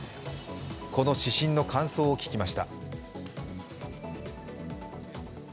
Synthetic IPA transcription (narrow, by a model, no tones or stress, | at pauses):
kʰo̞no̞ɕiɕĩnːo̞kʰãɰ̃so̞ːokʲi̥kʲimaɕi̥t̪a